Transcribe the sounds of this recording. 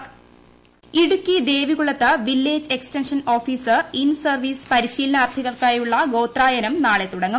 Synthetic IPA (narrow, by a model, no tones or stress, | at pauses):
iɽukʲːid̪e̞ːʋiɣuɭːɐt̪ːɨʋilːe̞ːd͡ʑe̞ksʈenʂɐno̞ːfiːsɨinsɐrʋiːsɨ̥pɐɾiɕiːlɐnaːrt̪ʰiɣɐɭkaːjuɭːɐɡo̞ːt̪raːjɐnɐmnaːɭet̪ːuɽɐŋːɐm